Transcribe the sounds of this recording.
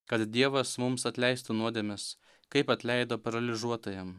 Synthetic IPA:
kɐt̪d̪ʲiɛʋɐsmʊmsɐt̪ʲlʲɛɪst̪ʊnuɔd̪ʲeːmʲɛs | kɐɪpɐt̪ʲlʲɛɪd̪oːpɐɾɐlʲɪʒuɔt̪oːjɛm

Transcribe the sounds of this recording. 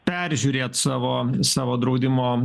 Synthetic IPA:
pʲɛɾʲʒʲʊːɾʲeːt̪sɑːʋoːsɑːʋoːd̪ɾɐʊd̪ʲɪmoː

